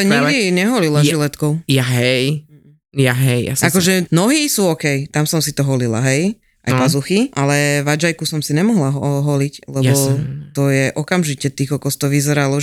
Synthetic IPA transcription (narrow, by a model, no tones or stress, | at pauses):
aɲiɡd̪iɲɛɦɔlilaʒilɛt̪kɔʊjaɦɛj | jaɦɛja̰sakɔʒɛnɔɦiːsuːɔkɛjt̪amsɔmsit̪ɔɦɔlila̰ɦɛj | ʔa̰jpazuxiʔalɛʋad͡ʒajkusɔmsiɲɛmɔɦlaɦɔɦɔliclɛjbɔt̪ɔjɛʔɔkamʒicɛt̪iɣɔkɔst̪ɔʋizɛɾalɔ